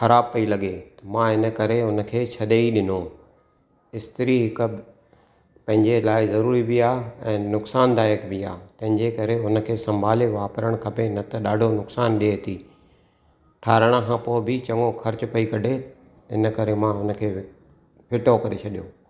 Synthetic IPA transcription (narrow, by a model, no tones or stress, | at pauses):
xɐɾaːb̚pɐilɐɠet̪ɐmãːɦɪnə̆kɐɾeɦʊnə̆kʰeːt͡ɕʰɐɗeiɗɪno | ɪst̪ɪɾiɦɪkəb | pɐ̃ɦɪ̃ɲd͡ʑelaːɪzɐɾuːɾibiaːɛ̃ːnʊksaːnd̪aːjəkbɪa̰ːt̪ɐ̃ɦɪ̃ɲd͡ʑekɐɾeʊnəkʰeːsɐ̃mbʱaːleʋaːpɾəɽ̃kʰɐpenɐt̪ɐɗaːɖʱonʊksaːnɗiet̪iː | ʈʰaːɾəɽ̃akʰãːpoːɪbʱɪt͡ɕɐ̃ŋɡoxʰɐɾt͡ɕʊpɐikɐɖʱe | ɪ̰nə̆kɐɾemãɦʊnə̆kʰeː | fʰɪʈokɐɾet͡ɕʰɐɗijoː